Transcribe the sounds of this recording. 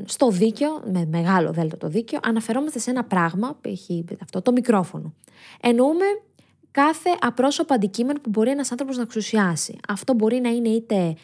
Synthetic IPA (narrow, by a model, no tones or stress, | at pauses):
st̪o̞ðice̞omeme̞ɣɐlo̰ðe̞lt̪ot̪o̞ðiceo̞̰ʔɐnɐfe̞ɾo̞mɐst̪e̞senɐpɾɐɣmɐpueçiɐft̪ot̪o̞mikɾo̞fo̞no̞ | e̞no̞ume̞ | kɐθe̞ʔɐpɾo̞so̞poɐnd̪icime̞no̞pubo̞ɾie̞nɐsɐnθɾo̞poznɐksusiɐsḭɐft̪o̞bo̞ɾinɐine̞it̪e̞